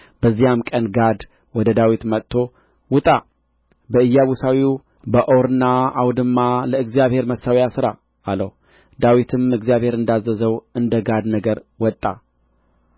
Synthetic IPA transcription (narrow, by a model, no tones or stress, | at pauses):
b̥əzːijamkʼənɡad̪ | wɔd̪əd̪awit̪mət̪ʰːo̞ | wʊt̪ʼa | bəɨjːaβusawiu | bəʔoɾɨnːaawd̪ɨmːaləɨɡzijaβhe̞ɾməsawjasɨɾa | aləh | d̪awit̪ʰɨmɨɡzijaβhe̞ɾɨnd̪azːəzəwɨnd̪əɡad̪nəɡəɾwɔt̪ʼːa